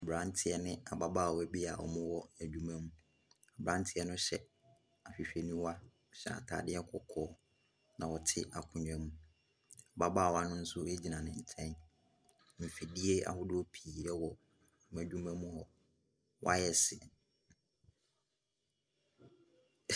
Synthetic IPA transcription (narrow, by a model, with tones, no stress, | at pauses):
a˨bɾã˨˦n˦tʰɪ˦ɛ˦nɪ̃˦a˨ba˦baː˦˨wæ˦bi˦a˨ʔɔ̰˨mʊ̃˦wɔ˦æ˨dᶣu˦mæ̃˦mũ˦ | a˨bɾã˦ntʰɪ˦ɛ˦nʊ̃˦ɕɛ˦ | a˨ɕᶣi˨ɕᶣɛ˨nũ˦wa˦˨ | ɕɛ˦˨a̰˨tʰa̰ː˨dɪ˦ɛ˦kʰɔ˦kʰɔː˨˦ | nã˨wɔ˨tʰɪ˦ʔa˨kʷʰʊ̃˨ɲ̃˨ɛ˦mũ˦ | a˨ba˦baː˦˨wa˦nʊ̃˦n̩˦sʊ˦e˦d͡ʑi˨nã˨nɪ̃˨n̩˨tʰɛ̃˦n˦ | m̩˨fi˨di˦e˦a̰˨hʊ˦dʊ˦ɔ˦pʰiː˨ɛ˦wɔ˨ | mæ̃˨dᶣu˦mæ̃˦mũ˦hɔ˨ | wʔa̰˦jɛ˨sɪ˨